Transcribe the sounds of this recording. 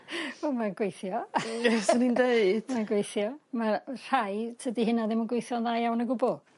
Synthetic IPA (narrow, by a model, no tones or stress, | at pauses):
omaɡ̥wejθjɔɛsənindejd̥maɡwejθjɔmar̥ajsʰədihɪnaðɪmənɡwejθjɔnðajawnəɡʊbɔ